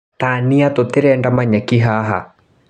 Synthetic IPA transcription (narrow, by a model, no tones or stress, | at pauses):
t̪aniat̪ot̪eɾɛndamaɲɛkiɦaːɦa̰